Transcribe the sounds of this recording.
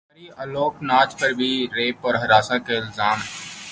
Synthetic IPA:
ɾiəloːknaːt͡ʃpɐɾbʱiɾeːpɔːɾɦɐɾaːsakeɪlzaːmɦɛː

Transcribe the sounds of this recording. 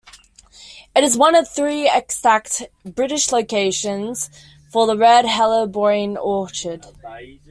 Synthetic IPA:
ɪɾɪzwʌ̃nəv̥θɹiːɪksak̚tb̥ɹɪɾɪʃləʊkʰeɪʃə̃nz̥ | fəðəɹɛd̚ɦɛlˠəbɔɪɪ̃nɔˑt͡ʃəd̥

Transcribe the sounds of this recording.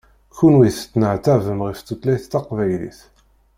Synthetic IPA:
kunwiθt͡sːnəʕt̪ævəmʁift̪ːut̪læjθt̪ːɑqvæjlḭθ

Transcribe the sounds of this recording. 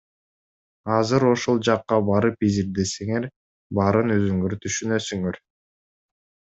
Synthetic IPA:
ɑzɯɾo̞ʃolˠd͡ʒɑqːɑbɑɾɯpiziɾd̪e̞seŋe̞ɾ | bɑɾɯnøzyŋøɾt̪ʰyʃynø̞syŋøɾ

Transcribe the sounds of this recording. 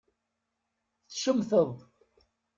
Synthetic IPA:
θθʃəmθəðˤ

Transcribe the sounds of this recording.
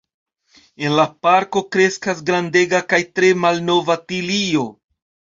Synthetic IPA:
e̞nlapaɾko̞kɾe̞skasɡɾande̞ɡakajtɾe̞malno̞vatilio̞

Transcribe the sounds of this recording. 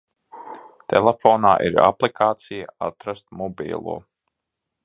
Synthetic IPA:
t̪ʰḛlˠefoːnaːʔḭɾa̰plˠikʰaːt̪sijaat̪ɾast̪̚mɔbḭːlˠṵɔ

